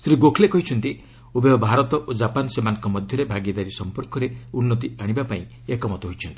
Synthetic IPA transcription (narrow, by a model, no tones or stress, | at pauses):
sɾiɡokʰlekɔɦit͡ʃʰɔnt̪i | obeɔbʱaɾɔt̪ɔʔod͡ʒapanɔsemanɔ̃ŋkɔmɔd̪ʱjɔɾebʱaɡid̪aɾisɔmpɔɾkɔɾeunːɔt̪̬iaɽ̃ibapaĩ | ekɔmɔt̪ɔɦojt͡ʃʰɔnt̪i̥